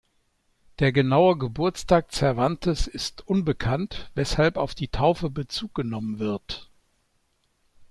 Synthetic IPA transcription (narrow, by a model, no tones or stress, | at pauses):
d̥eːɐɡənaʊəɡəbʊɐt͡staːk̚t͡sɛɐvantʰəsɪstʔʊnbəkʰantv̥ɛshalpaʊfd̥iːtʰaʊfəbət͡suːk̚ɡ̥ənɔmənvɪɐt